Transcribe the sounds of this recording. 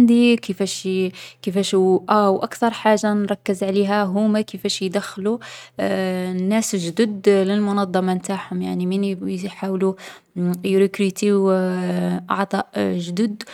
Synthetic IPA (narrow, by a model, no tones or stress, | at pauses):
nd̪ikəfæʃkəfæʃʔæwʔækt̪ɑɾˤħaʒːanɾˤɑkːəzʕliɦæɦumækəfæʃjd̪æxːlu | nːæsʒd̪ud̪ləlmʊnɑd̪ˤːɑmɑnt̪aħhʊmjaʕniminħawlu | jɾikɾit̪iw | ʔɑ̰ʕt̪ˤɑʔʒd̪ud̪